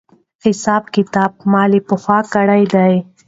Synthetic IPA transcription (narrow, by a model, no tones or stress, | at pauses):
hɪsɑːbkɪt̪ɑːb̚mɑlipəxwɑkaɽajd̪aj